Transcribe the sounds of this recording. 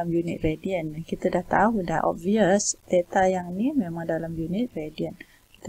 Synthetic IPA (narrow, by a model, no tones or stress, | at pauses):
amjunḭt̪̚ɾediənnkit̪ədaht̪aɦudaʔʔɔ̰b̚viəsd̪et̪ajaŋnimemãŋdalamjunit̪̚ɾediən | kt̪